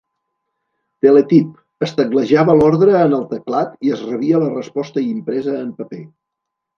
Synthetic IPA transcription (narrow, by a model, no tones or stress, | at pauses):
t̪elekip̚ | əst̪əɣləʒaβəlɔɾðɾəːnəlˠt̪əklat̪iəzrəβiələrəspɔst̪əimpɾɛzəːmpəpe